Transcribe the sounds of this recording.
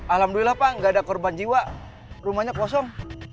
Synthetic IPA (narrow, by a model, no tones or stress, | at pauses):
alamduilahpaŋɡaːdakɔrband͡ʒiwa | rumahɲakɔsɔŋ